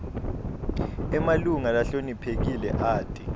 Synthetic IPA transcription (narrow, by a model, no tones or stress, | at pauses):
ɛmaluŋalaɬonipʰek̬ilɛʔaːtʼi